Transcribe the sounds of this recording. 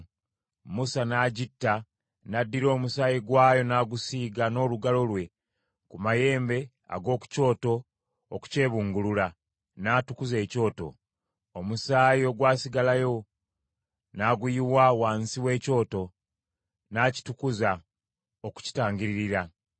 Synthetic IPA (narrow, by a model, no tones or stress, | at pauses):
musanaːɟitːa | nadːiɾo̞ːmusaːjiɡwaːjo̞naːɡusiːɡano̞ːluɡalo̞lwe̞ | kumaje̞ːmbe̞ | a̰ɡo̞ːku̥co̞ːto̞ː | ku̥ce̞ːβuːŋɡulula | naːtukuze̞ːco̞ːto̞̰ | omusaːjio̞ɡwaːsiɡalajo̞ | naɡujiwawaːnsiwe̞ːco̞ːto̞ | naːci̥tukuza | oku̥ci̥taːŋɡiɾiɾiɾa